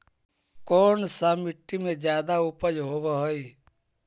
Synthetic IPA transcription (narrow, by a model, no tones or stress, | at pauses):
koːnsamiʈːimed͡ʒjaːd̪aupəjɦobəɦoj